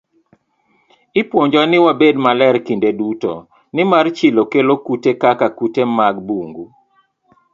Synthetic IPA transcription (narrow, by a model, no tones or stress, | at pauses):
ɪpwoɲd͡ʒanɪwabedmalɛrkindedutɔ̰ | nɪmart͡ʃɪlokelokutekakakutemaɡ̚buŋɡu